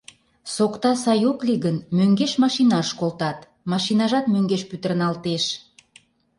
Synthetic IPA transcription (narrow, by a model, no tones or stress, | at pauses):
sokt̪ɑsɑjokliɣənmøŋɡeʃmɑʃinɑʃkolt̪ɑt̪ | mɑʃinɑʒɑt̪møŋɡeʃpyt̪ərnɑlt̪eʃ